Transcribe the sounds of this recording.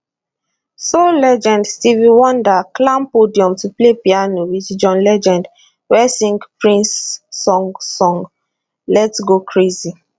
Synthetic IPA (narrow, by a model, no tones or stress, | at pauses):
solɛd͡ʒɛ̃ndstivĩwɔ̃ndaklãmpodiɔ̃mtuplepianowitd͡ʒɔ̃nlɛd͡ʒɛ̃nd | wɛsĩŋɡpɹĩnsːɔ̃ŋsɔ̃ŋɡ | lɛtɡokʰɹezi